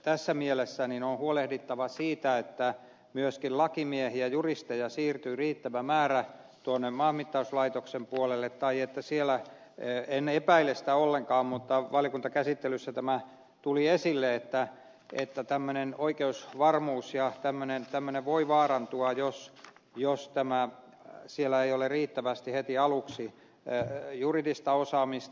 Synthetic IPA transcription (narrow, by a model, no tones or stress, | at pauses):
t̪æsːæmielesːæninonhuolehdit̪ːɑʋɑsiːt̪æet̪ːæ | myøskillɑkimiehiæjurist̪ejɑsiːrt̪yːriːt̪ːæʋæmæːræ | t̪uonːemmɑhmit̪ːɑuslɑit̪oksempuolelːet̪t̪ɑiet̪ːæsielˑæ | enepæilːesi̥t̪æolːeŋkɑːmmut̪ːɑʋɑlĭokunt̪ɑkæsit̪ːelysːæt̪æmæ | t̪uliesilːeet̪ːæ | ḛt̪ːæt̪æmːønenoikeusʋɑrmuːsjɑt̪æmːønent̪æmːøneʋʋoiʋɑːrɑnt̪uɑjos | jost̪æmæ | sielːˑæeijoleriːt̪ːæʋæst̪ihet̪iɑluksi | juridist̪ɑosɑːmist̪